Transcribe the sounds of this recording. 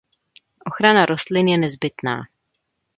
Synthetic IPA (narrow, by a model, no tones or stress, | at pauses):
ʔoxɾanaɾost̪lɪnjɛnɛzbɪt̪na̰ː